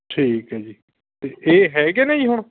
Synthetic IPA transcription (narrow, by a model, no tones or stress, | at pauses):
ʈʰiːkɦɛːd͡ʒiː | t̪eʔeːɦɛːɡeːneĩːɦʊɳ